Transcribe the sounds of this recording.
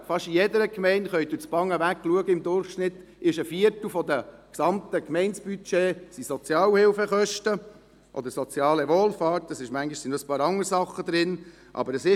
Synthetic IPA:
fɑʃijɛd̪əɾəkmɛɪntχœʏt̚d̥̪uət͡spɑŋːəʋækːluəɡəɪmd̪ʊɾχʃnɪt̪ | ɪʃəfiəɾtl̩fɔd̪əksɑmt̪əkmɛɪnsb̥yt͡ʃeːsisɔt͡sjɑːlhɪlfəχœʃtə | ʔɔ̰d̪əɾsɔt͡sjɑːlɛʋoːlfɑːtəsɪʃmæŋɡiʃsinəspɑːɾɑŋːəɾsɑχːəd̪ɾɪn | ʔɑ̰bəɾəsɪ

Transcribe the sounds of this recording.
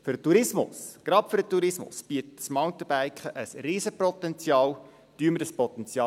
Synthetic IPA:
fʏɾətuɾɪsmʊ̰sɡ̥ɾɑpføɾətuɾɪsmʊ̰sb̥iətəsmawntəb̥æɪkχəʔəsriːsəpɾɔtɛnt͡sjɑːl | tyəmədəspɔt̪ɛnt͡sjɑː

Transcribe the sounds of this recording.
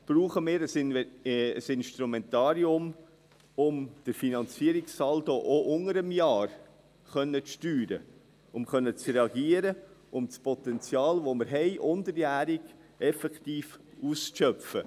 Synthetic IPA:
b̥ɾuːχəmɪːɾəsnəsɪnʃtɾumɛntɑːɾiʊm | ʊmd̥əɾfinɑnt͡siəɾɪksɑldoʔoʔʊŋəɾəmjɑːr | χœnːət͡sʃtyːɾə̰ | ʊmχœnːət͡sɾɛɑɡiəɾəʔʊmt͡spɔtɛnt͡sjɑːlʋoməɾɦɛɪʔʊndəɾjæːɾɪɡ | ɛfɛktiːfuːsʃœpfə

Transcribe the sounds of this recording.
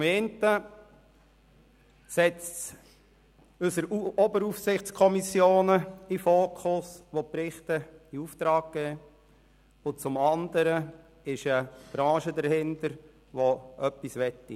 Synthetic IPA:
t͡sʊmeːntə | sɛt͡s | ɵsəɾɔbəɾufsɪχt͡skʰɔmisjoːnəifoːkʰχʊsʋoprɪχtəiuftɾɑːɡ̚ɡ̥ɛː | ʊt͡sʊmɑnd̪əɾə | ɪʃəb̥ɾɑ̃ːʃədəɾhɪndəɾ | ʋoʔœpːisʋɛtːḭ

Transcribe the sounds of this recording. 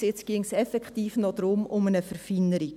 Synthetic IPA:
ɪt͡sɡ̥ɪŋsɛfɛktiːfnɔd̥̪ɾʊmʊmənəfəɾfinːəɾi

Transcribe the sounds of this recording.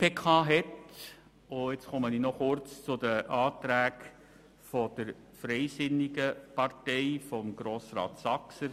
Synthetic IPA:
pekχɑːɦɛt | oɪt͡sχɔməninɔχʊɾt͡st͡sʊd̪əʔɑːtɾæːk | fɔd̥əɾ | fɾɛɪsɪniɡəpɑrtɛɪfɔmɡɾoːsrɑ̰ːt̪sɑksəɾ

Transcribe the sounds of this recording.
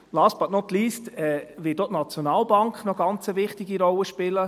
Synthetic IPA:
lɑːspɑtnɔtlistɛʋɪtdotnat͡sjɔnɑːlbɑŋkχnɔɡ̥ɑnt͡səʋɪχtiɡiɾɔlːəʃpɪlə

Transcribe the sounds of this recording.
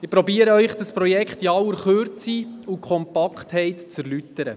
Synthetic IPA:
ɪpɾɔbiəɾəœɥχd̥əspɾɔjɛkχtiɑwəɾχøɾt͡siukʰχɔmpɑkχthɛɪtt͡sɛɾlyt̪əɾə̰

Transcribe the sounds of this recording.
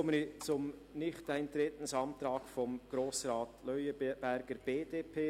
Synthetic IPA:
ɔmənit͡sʊm | nɪχtaɪnt̪ɾɛtən̩sɑnt̪ɾɑːkfɔmɡ̥ɾoːsrɑːtlœʏəb̥æɾɡ̥əɾb̥eːdeːpʰeː

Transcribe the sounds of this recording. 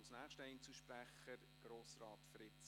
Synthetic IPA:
snæːχʃtəɛɪnt͡suʃpɾæχəɾ | ɡ̥ɾoːsrɑːtfɾɪt͡s

